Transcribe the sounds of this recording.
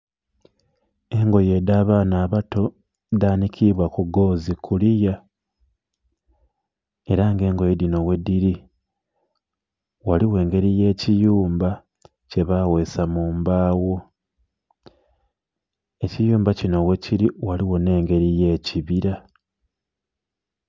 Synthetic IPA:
e̞ŋɡo̞je̞daːβaːnaːβato̞ | daːnikʰiβwakuɡo̞ːzikʰulija | e̞ɾaŋɡe̞ːŋɡo̞jedino̞we̞diɾi | waliwe̞ːŋɡe̞ɾije̞ːcijuːmba | ce̞βawe̞ːsamuːmbaːwo̞ | e̞cijuːmbacino̞we̞ciɾiwaliwo̞ne̞ːŋɡe̞ɾije̞ːciβiɾa

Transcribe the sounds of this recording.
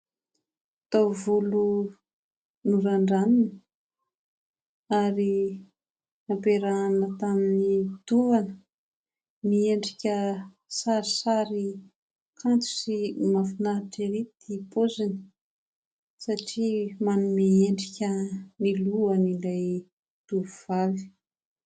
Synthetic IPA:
t̪avulu | nuɾaɳɖ͡ʐaninə | aɾi | apeɾanət̪aminit̪uanə | mieɳɖ͡ʐikʲə | saɾisaɾi | kʰant͡su̥simafinaʈ͡ʂeɾit̪ipozini̥ | saʈ͡ʂimanumeeɳɖ͡ʐikʲəniluənilaj | t̪uvuv̥ali̥

